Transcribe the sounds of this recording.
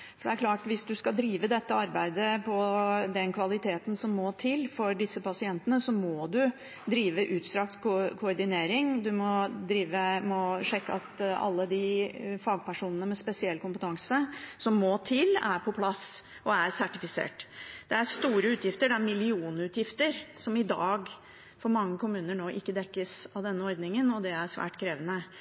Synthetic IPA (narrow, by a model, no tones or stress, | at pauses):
fɔɖɛæɾklɑːʈʋɪsd̪ʉskɑd̪ɾiːʋəd̪ɛt̪ːəɑɾbæɪd̪əpʰɔd̪ɛnkʰʋɑlɪt̪ʰeːt̪n̩sɔmːoːt̪ʰɪlːfɔɖɪsːəpɑsɪɛnt̪ənəsɔmɔd̪ʉ | d̪ɾiːʋəʔʉːt̪st̪ɾɑkt̪kʰkʰʊɔɾɖ̪ɪneːɾɪŋd̪ʉmɔd̪ɾiːʋəmɔʂɛkːəɑt̪ɑ̰lːəd̪ɪfɑːɡ̚pʰæʂuːnənəmɛspɛsɪɛlːkʊmpət̪ʰɑŋsəsɔmːɔːt̪ʰɪlːæ̰ɾpʰɔpʰlɑs | ʔɔæɾsæʈɪfɪsḛːʈd̪̥ɛæɾst̪uːɾəʉːt̪jɪft̪əɖɛæɾmɪlɪuːnəʉːt̪jɪft̪əɾsɔmɪd̪ɑ̰ːɡ | fɔɾmɑŋːəkʰʊmʉːnəɳoːʔɪkːəd̪ɛkːəsɑʋd̪ɛnːəɔɾd̪nɪŋənɔd̪ɛæɾʂʋæ̰ːʈkʰɾeːʋənə